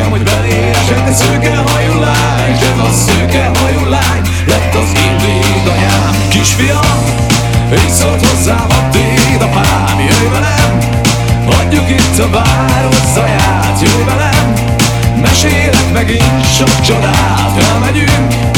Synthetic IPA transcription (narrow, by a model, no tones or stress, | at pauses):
moɟbɛleːɾɛʃɛt̪ːɛsøːkɛɦɒjulːaːɲd̪ɛzɒsøːkɛɦɒjulːaːɲ | lɛt̪ːɒzind̪u | d̪ɒjaːmkiʃfijɒ | esolt̪ho̞zːaːmɒt̪ːeːd̪ɒpaː | mijøvɛlɛm | vɒɲːukit̪ːɒvaː | ɾoszːɒjaː | t̪jøːvɛlɛmː | ɛʃeːjlɛkmɛɡin | ʃokt͡ʃod̪aː | t̪fɛlmɛɟyŋk